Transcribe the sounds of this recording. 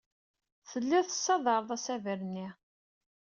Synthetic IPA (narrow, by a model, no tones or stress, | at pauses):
θəlːæθəsːɑðˤɑɾˤəðˤæsævəɾnːi